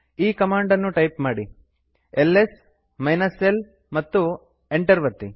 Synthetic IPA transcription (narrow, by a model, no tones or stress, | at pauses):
iːkɐmaːɳɖɐnːuʈɐjpmaːɽi | elːes | mɐjnɐsel | mɐt̪ːu | eɳʈɐɾʋɐɾt̪i